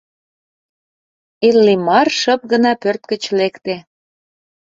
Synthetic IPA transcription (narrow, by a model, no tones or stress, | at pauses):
elːimɑrʃə̆p̚ɣə̆nɑpørt̪̚kə̆t͡ɕlekt̪e